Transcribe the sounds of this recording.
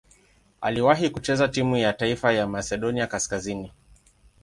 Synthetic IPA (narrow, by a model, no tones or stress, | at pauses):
a̰liwaɦikut͡ʃɛzatimujataifajamasɛɗɔniakaskazini